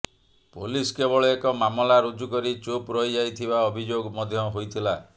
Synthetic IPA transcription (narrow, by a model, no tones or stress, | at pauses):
poliskebɔɭɔekɔmamɔlaɾud͡ʒukɔɾit͡ʃopɾɔjd͡ʒajt̪ʰibaɔbʱid͡ʒoɡmɔd̪ʱjɔɦojt̪ʰila